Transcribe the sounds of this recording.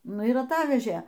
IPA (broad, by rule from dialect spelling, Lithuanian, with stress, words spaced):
ˈnʊ ɪr ɐˈtɑːʋʲɛʒʲeː